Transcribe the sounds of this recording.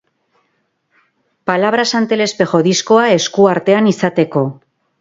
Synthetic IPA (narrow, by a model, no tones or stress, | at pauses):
palaβ̞ɾasant̪e̞le̞spe̞xo̞ðisko̞ae̞skuaɾt̪e̞anisat̪e̞ko̞